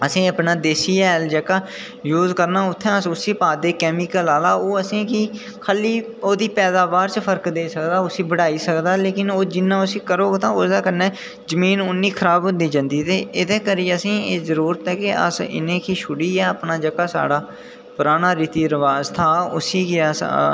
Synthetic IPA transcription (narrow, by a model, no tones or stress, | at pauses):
əsĩːəpnaːd̪eːsiːɛːld͡ʒəkaː | juːzkəɾnaːʊt̪ʰːɛ̃ːəsʊsiːpaːd̪eːkɛːmɪkəlaːlaːoːəsĩːkɪ | kʰaliː | oːd̪iːpɛːd̪aːbaːɾt͡ʃəpʰəɾkd̪eːsəkd̪aːʊsiːbəɽaːiːsəkd̪aːleːkɪnoːd͡ʒɪnːãːʊsĩːkəɾoːɡt̪ãːoːsd̪aːkənːɛː | zəmiːnʊnːiːkʰəɾaːbʊnd̪iːd͡ʒãːnd̪iːt̪eːɪd̪eːkəɾiːəsĩːeːzəɾuːɾət̪ɛːkɪʔə̰sɪ̰nẽːkiːʃʰʊɽiːɛːəpnaːd͡ʒəkaːsa̰ːɽaː | pʊɾaːnaːɾiːt̪iːɾəʋaːzt̪ʰaːʊsiːkɪəs